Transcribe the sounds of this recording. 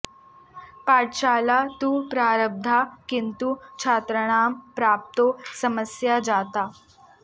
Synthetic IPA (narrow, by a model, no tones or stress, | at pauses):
paʈɕalat̪uːpɾaɾəb̚d̪ʱakint̪ut͡ɕʰat̪ɾəɳ̃ampɾap̚t̪osəməsjad͡zat̪a